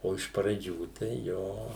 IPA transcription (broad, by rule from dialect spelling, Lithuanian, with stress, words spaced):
oː ɪʃ prɐˈd͡ʒʲuː tɐɪ ˈjoː